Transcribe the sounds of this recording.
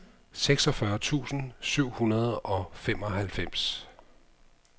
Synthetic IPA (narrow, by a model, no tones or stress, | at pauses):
seɡ̥sɒ̽fɶɐt͡sʰṵːsn̩syʊ̰hunɐð̞̩ˠɒ̽fem̰ɒ̽ɦælfem̰s